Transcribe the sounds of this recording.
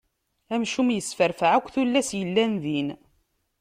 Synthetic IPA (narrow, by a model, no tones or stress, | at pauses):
æmʃumjəsfəɾfəʕækʷːθulːæsjəlːænðin